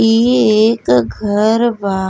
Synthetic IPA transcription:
ieːkɡʱəɾʋaː

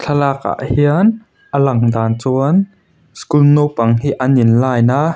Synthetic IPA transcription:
t͡ɬʰɐlaːka̰ʔhiən | ʔəlɐŋd̪aːnt͡suən | skulnowpɐŋɦiʔɐninlaːjna

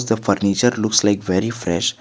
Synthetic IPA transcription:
zd̪əfəɾnit͡ʃəɾlʊkslaɪkʋeɾifɾɛ̰ʃ

